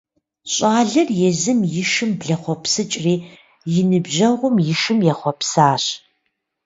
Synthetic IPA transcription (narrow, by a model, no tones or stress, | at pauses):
ɕʼaːɮɐrjɛzɨmjɪʃɨmbɮɐχʷɔpsɨt͡ʃʼriː | jɪnɨbʑɐʁʷʊmjɪʃɨmjɛχʷɔpsaːɕ